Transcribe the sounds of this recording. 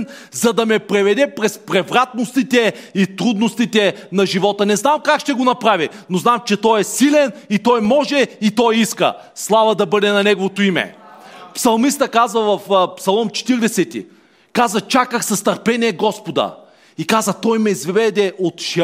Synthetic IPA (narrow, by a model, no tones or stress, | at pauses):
n | zɐd̪ɐmɛpɾɛvɛd̪ɛpɾɛspɾɛvɾat̪̚nost̪it̪ɛit̪ɾud̪nost̪it̪ɛnɐʒivɔt̪ənɛznamkakʃt̪ɛɡonɐpɾavinoznamt͡ʃɛt̪ɔjɛsilɛnit̪ɔjmɔʒɛit̪ɔjiskə̰ | slˠavəd̪ɐbɤd̪ɛnɐnɛɡovot̪oimɛ̰psɐlˠmist̪əkazvəvɐfpsɐlˠɔmt͡ʃɛ̥t̪iɾd̪ɛsɛt̪ḭ | kazət͡ʃakəxsɐst̪ɐɾpɛniɛɡɔspod̪ə̰ | ikazət̪ɔjmɛizvɛd̪ɛʔot̪ʃ